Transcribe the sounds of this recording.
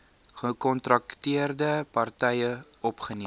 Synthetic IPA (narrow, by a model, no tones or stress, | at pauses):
χəkɔntrɐktiərdəpɐrtɛjə | ɔpχəni